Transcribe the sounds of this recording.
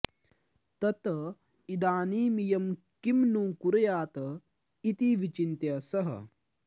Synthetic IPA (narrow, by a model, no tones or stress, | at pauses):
t̪ɐt̪ɐ | id̪aːniːmijɐm | kimnuːkuɾɐjaːt̪ɐ | it̪iʋit͡ʃint̪jɐsɐɦɐ̰